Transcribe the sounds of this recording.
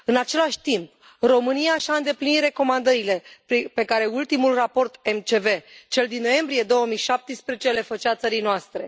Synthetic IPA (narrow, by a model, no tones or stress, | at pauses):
ɨnat͡ʃe̞laʃʲt̪imp | ro̞mɨniaʃaɨnd̪e̞plinit̪re̞ko̞mand̪əɾile̞pe̞kaɾe̞ult̪imulrapo̞rt̪e̞mt͡ʃe̞ve̞t͡ʃe̞ld̪inːo̞je̞mbɾije̞d̪o̞wəmijʃap̚t̪ispɾezet͡ʃele̞fət͡ʃat̪səɾijnoast̪ɾe̞